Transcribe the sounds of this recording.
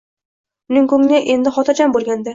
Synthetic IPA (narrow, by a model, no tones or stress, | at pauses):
ʊnɪŋkɵŋnaʔe̞nd̪ɪχɒt̪ʰad͡ʒambolˠɡʲand̪ɪ